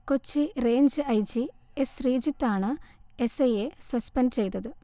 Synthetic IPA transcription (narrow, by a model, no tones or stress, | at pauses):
kot͡ɕːire̞ːɲd͡ʑɨɐjt͡ɕiesriːd͡ʑit̪ːaːɳɨesejesɐspenɖt͡ɕe̞jt̪ːɐðɨ